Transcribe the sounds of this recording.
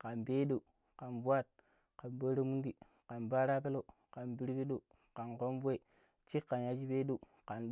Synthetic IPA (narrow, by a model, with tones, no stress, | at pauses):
ka˨nbe˦ɗo˨ | ka˨nvu˦a˦˨t̚ | ka˨nbo˦ɾe˦mu˦ndi˨ | ka˨nba˦ɾa˦pe˦lo˦˨ | ka˨nbi˦ɾpi˦ɗo˨ | ka˨nko˦nve˨ | t͡ʃi˦kːa˨n˨ja˦d͡ʒi˦be˦ɗo˦˨ | ka˨nɗ